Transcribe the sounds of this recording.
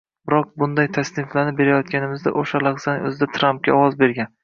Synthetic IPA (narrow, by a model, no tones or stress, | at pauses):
bɪɾɒq̚bʊnd̪ajt̪ʰasnɪmflanɪbe̞ɾajɒt̪̚kʲanɪmɪzd̪a̰ʔoʃalˠaqzanɪŋɵzɪd̪at̪ʰɾamp̚kʲaɒwɒzbe̞ɾɡʲan